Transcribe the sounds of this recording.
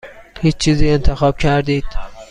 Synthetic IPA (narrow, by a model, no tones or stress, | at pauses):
hiːt͡ʃt͡ʃʰiːziːe̞nt̪ʰexɒːb̥cʰæɾd̪iːd̪̥